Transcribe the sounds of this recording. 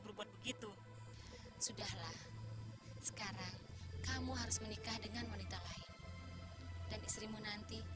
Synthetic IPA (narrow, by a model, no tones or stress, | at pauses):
bəɾubat̪̚bəɡit̪u | sudahlah | sə̥kaɾaŋkamuɦaɾʊsmənikahdəŋanwanit̪alaɪn | danist̪ɾimunant̪i